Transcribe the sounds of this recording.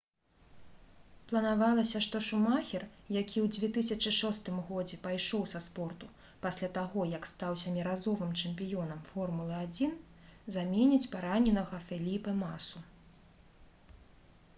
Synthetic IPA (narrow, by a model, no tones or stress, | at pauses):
plˠɐnavalˠɐsʲɐʂt̪ɔʂumaxʲɛrjakʲʰiwd͡zʲvʲɛt̪ɨsʲɐt͡ʂɨʂɔst̪ɨmɣɔd͡zʲɛpajʂɔwsɐspɔrt̪u | pasʲlʲat̪aɣɔjɐkst̪awsʲɐmʲiɾazɔvɨmt͡ʂɛmʲpʲijɔn̪ɐmfɔrmulˠɐad͡zʲin | zamʲɛnʲit͡sʲpaɾanʲɛnɐɣɐfʲɛlʲipɐmasu